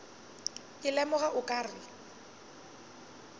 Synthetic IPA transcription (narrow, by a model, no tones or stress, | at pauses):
ɪlɛmʊɣaʔʊkʼaːrɪ